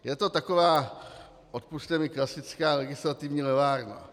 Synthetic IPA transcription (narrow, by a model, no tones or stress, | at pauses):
jɛt̪o̞t̪ako̞vaː | ʔot̪̚pust̪ɛmɪklasɪt͡skaːlɛɡɪslat̪ɪvɲiːlɛvaːɾna̰